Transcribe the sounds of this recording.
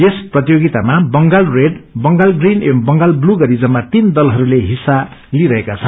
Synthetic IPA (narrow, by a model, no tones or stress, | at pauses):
esprʌt̪ijoɡit̪amabʌŋɡalreɖbʌŋɡalɡrinembʌŋɡalbluɡʌɾid͡zʌmat̪ind̪ʌlɦʌɾuleɦisːaliɾʌɦekat͡sʰʌn